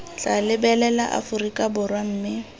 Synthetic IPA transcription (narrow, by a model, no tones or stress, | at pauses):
t͡ɬalɪbɛlɛlaʔa̰fʊrikʼabʊrwam̩ːmɪ